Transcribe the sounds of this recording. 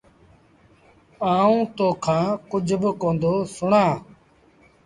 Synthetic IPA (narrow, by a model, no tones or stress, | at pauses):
aːũːt̪oːkʰãːkʊd͡ʒʱbɪkõːnd̪oːsʊɳãː